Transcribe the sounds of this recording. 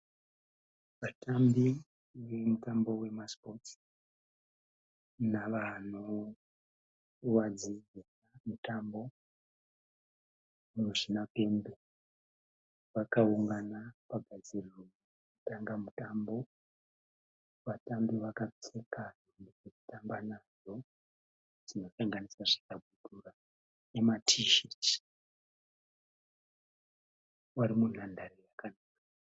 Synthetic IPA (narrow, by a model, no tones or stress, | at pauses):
ʋatambi | ʋe̞mutambo̞we̞maspo̞t | naʋano | wad͡ziɡenamutambo̞ | muʒinape̞mbe | ʋakauŋɡanapaɡʱad͡ziriro | kutaŋɡamutambo̞ | ʋatambiʋakat͡sekanondid͡zeku̥tambanaʐo̞ | d͡zino̞saŋɡanisaʐikab̚ʱudʱura | nematʰiʃeti̥ | waɾimun̤andaɾejakanaːkḁ